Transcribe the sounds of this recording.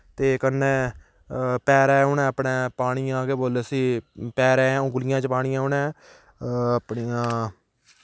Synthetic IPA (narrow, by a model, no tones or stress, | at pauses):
t̪eːkənːeː | pɛːɾɛ̃ːʊnɛ̃ːpɳẽːpaːɽ̃ijãːɡeːboːlesiːpɛːɾɛ̃ːɛ̃õːɡʊlɪjãːt͡ʃpaːɽ̃ɪjãːɦʊnɛ̃ː | əpɳijãː